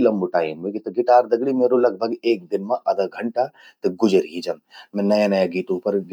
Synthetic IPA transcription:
lɐmbuʈaːjimukit̪ɐɡɪʈaːɾd̪ɐɡɽimeːɾolɐɡ̚bʱɐɡeːk̚d̪ɪnmãʔɐd̪ɐɡʱɐɳʈa | t̪ɨɡʊd͡ʒəɾɦiːd͡ʒɐmmɛ̃nɐjãnɐjaɡiːʈ̪ũːpɐɾ

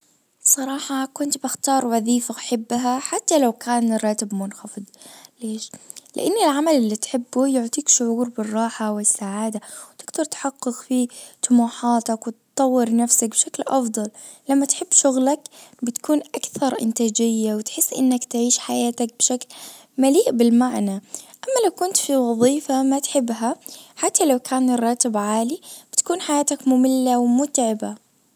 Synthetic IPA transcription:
sˤɑɾˤɑːħɑkʊnt̪bɪxt̪ɑːɾˤwɑðiːfaʔaħɪbːɦaħat̪ːalawkaːnrˤːɑːt̪ɪbmʊnxɑfɨd̪ˤleːʃlɪ̰ʔanːɪlʕamalɪlːit̪ħɪbːujʊʕt̪ˤiːkʃʊʕuːɾbɪrˤːɑːħawɪsːaʕaːd̪awt̪ɪɡd̪ɑɾˤt̪ħɑqːɪqfit̪ʊmuːħaːt̪akwɪt̪t̪ˤːɑwːɪɾnafsak̚bɪʃaklʔɑfd̪ˤɑl | lamːat̪ħɪbːʃʊɣlakbɪt̪kuːnʔakθɑɾˤʔɪ̰nt̪aːd͡ʒɪjːawɪt̪ħɪsːʔɪ̰nːakt̪ʕiːʃħajaːt̪ak̚bʃakl | maliːʔbɪlmaʕnaʔamːalawkʊnt̪fiwɑðˤiːfamat̪ħɪbːɦaħat̪ːalawkʰaːnrˤːɑːt̪ɪbʕaːlib̥ɪt̪ḁkuːnħajaːt̪akmʊmɪlːawmʊt̪ʕɪba

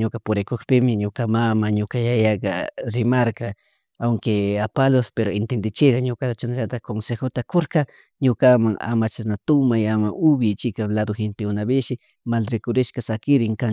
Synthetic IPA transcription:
ɲokapʊɾekokpɪmɪɲokamamaɲokajajakɑɾɪmaɾka | awŋkeapalospeɾoent̪end̪ɪt͡ʃɪɾaɲokat̪at͡ʃanɾat̪akonsexot̪akoɾka | ɲokamaŋa̰mat͡ʃasnat̪ʊmajamaʔʊbjɪt͡ʃɪkalad̪oxent̪eʊnaβɪʃɪ | malɾekoɾɪʃkasakɪɾɪŋka

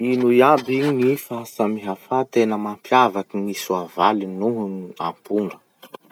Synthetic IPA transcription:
inujabiɲinifasamiɦafat̪enəmampʰjavakinisuavalinuɦunia̰mpuɳɖ͡ʐə

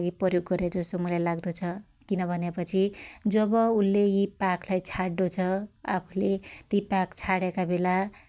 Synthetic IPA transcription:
ɡiprʌrjoɡːʌɾed͡zʌsomulajlaɡd̪ot͡sʰʌ | kinʌbʱʌnepʌt͡sʰid͡zʌbʌulːejipaklajt͡sʰaɽdot͡sʰʌa̰pʰulet̪ipakt͡sʰaɽekabela

